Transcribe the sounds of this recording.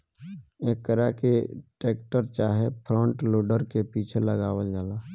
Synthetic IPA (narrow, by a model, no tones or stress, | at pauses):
eːkkəɾakeʈeːk̚ʈəɾt͡ʃaːɦepʰɾɔ̃ːɳʈloːɖəɾkepiːt͡ʃʰeləɡaːwəld͡ʒaːlaː